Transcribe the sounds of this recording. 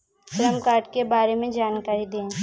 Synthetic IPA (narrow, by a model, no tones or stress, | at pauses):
sɾəmkaːɾʈkebaːɾemẽd͡ʒaːnkaːɾid̪ẽː